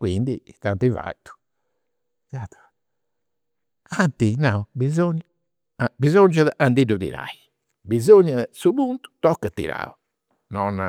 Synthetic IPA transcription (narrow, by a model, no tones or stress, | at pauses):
kwḭnd̪it̪ant̪iva̰it̪u̥ | kat̪ | at̪inaubizoɲː | abizond͡ʒaðʔand̪iɖud̪ḭɾa̰j | bizoɲːasubunt̪u̥t̪ɔkːət̪ːḭɾa̰u | nɔn